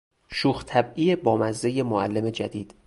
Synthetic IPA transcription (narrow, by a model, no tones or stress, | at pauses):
ʃuːxt̪ʰæbʔijebɒːmæzːe̞jemoælːe̞me̞d͡ʒæd̪iːd̪̥